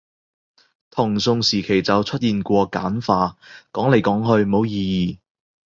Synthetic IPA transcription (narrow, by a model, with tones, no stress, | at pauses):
t̪ʰʊ˨˩ŋsʊ˨˧ŋsiː˨˩kʰe˨˩jt͡sɐ˨wt͡sʰɵ˥t̚jiː˨nkʷɔː˧ka̰ː˨˥nfaː˧kɔː˨˥ŋle˨˧jkɔː˨˥ŋɦɵ˧ɥmo˨˧wjiː˧jiː˨